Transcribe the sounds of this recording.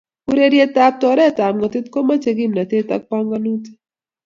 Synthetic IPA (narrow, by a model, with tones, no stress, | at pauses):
u˦ɾe˦ɾje˦t̪ːa˨p̚t̪ɔ˨ɾɛ˦t̪a˨mŋɔ˨t̪ɪ˦t̪ko˦ma˦t͡ʃe˨ɡi˦mna˨t̪e˦t̪a̰˦k̚pa˦ŋɡa˦nu˦t̪